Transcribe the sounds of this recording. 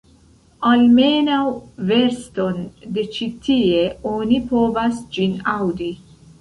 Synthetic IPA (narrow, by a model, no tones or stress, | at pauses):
almenawveɾst̪o̞nd̪et͡ʃit̪ʰieonipovasd͡ʒinawd̪i